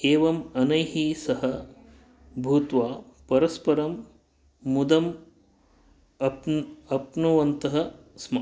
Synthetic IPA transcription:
keːʋɐmɐnɐjɦisɐɦɐ | bʱuːt̪ʋaː | pɐɾɐspɐɾɐmː | ud̪ɐm | ɐpɐpnuʋɐnt̪ɐɦɐ̆smɐ

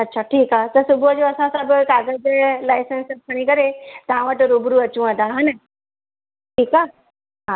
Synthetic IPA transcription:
ɐtːɕʰaʈʰiːkat̪əɾsubəd͡ʑoəsãsabəkaɡəd͡zelajsənsəkʰəɽ̃ikəɾet̪ãʋaʈːəɾobɾuət͡ɕũãd̪aɦana | ʈʰiːka | ɦã

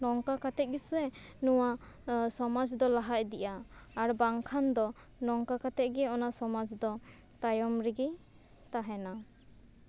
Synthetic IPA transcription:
nɔŋkakat̪ɛʔ̚ɡisɾɛnuwa | sɔmad͡ʒd̪ɔlaɦac̚d̪iʔaːɾbaŋkʰand̪ɔ | nɔŋkakat̪ɛʔ̚ɡɛɔnasɔmad͡ʒd̪ɔ | t̪ajɔmɾiɡi | t̪aɦɛna

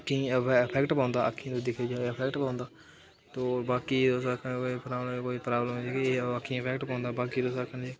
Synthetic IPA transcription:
kʰːĩɪpʰɛːkʈpãːnd̪aːəkʰːĩːt̪õːd̪ɪkʰeːd͡ʒaːəpʰɛːkʈpãːnd̪aː | t̪oːbaːkiːd̪oːsakʰəkoipɾaːbkoːiːpɾaːbləmd͡ʒekeːaːkʰːĩɪpʰɛːkʈpãːnd̪aːbaːkiːd̪oːsakʰənd͡ʒeː

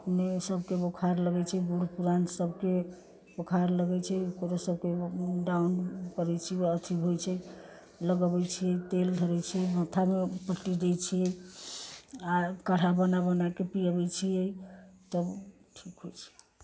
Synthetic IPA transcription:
əpnesəbkebokʰaɾləɡɛt͡ʃʰɛbuɽpuɾansəbʱke | bokʰaɾləɡɛt͡ʃʰɛkoɾasəb̚ʱkeɖaunkəɾɛt͡ʃʰiət̪ʰiɦojt͡ʃʰɛ | ləɡəbɛt͡ʃʰijɛjt̪eldʱəɾɛt͡ʃʰiɛmə̃t̪ʰamepəʈːid̪ɛjt͡ʃʰijɛ | akəɽ̤abənabənakepijəβɛt͡ʃʰijɛjt̪ə | ʈʰikɦojt͡ʃʰɛ̥

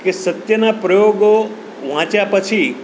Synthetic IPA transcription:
kesət̪jənapɾəjoɡo | ʋãt͡ʃjapət͡ʃʰi

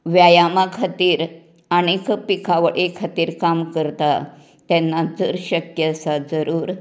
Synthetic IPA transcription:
ʋjajamakʰat̪iːɾ | aɽ̃ikpikʰaʋəɽʔekʰat̪iːɾkamkəɾt̪a | t̪ɛnːad͡zəɾɕəkjəsad͡zəɾuːɾ

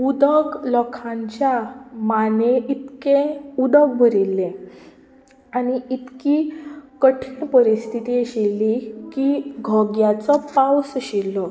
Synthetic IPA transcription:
ud̪əɡlɔkʰãɲt͡ɕjamaneʔit̪keud̪əɡ̚bʱəɾilːẽ | aniʔit̪kikəʈʰiɳpəɾist̪ʰit̪ieɕilːikiɡʱɔɡjat͡sɔpawsəɕilːɔ

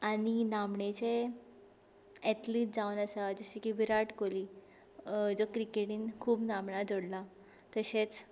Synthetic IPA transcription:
aninamɳet͡ɕe | ɛʈliːʈ̚d͡zaʋənəsad͡zəɕikibʱiɾaʈkoliː | d͡zɔkɾikeʈiːnkʰuːpnamɳad͡zoɽla | t̪əɕet͡s

